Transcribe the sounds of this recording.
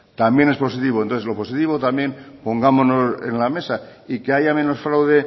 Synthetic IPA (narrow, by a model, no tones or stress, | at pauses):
t̪ambjenespo̞sit̪iβo̞nt̪oθelo̞po̞sit̪iβo̞t̪amje̞npo̞ŋɡamo̞no̞se̞̰nlame̞saikeaʝamẽ̞no̞sfɾawðe̞